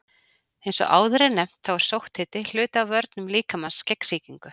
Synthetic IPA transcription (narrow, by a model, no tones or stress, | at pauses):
ejnsɔ̰ʔa̰ːwðʏɾɛnɛm̥t̪θawɛɾ̥sowht̪hɪːt̪ɪl̥ʏːt̪aːwvœɾt̪nʏmliːkamanscɛksiːciŋkʏ